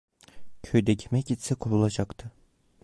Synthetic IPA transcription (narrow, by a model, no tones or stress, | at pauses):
cʰøjd̪ɛcʰimɛcit̪sɛkʰopulˠad͡ʒakt̪ʰɯ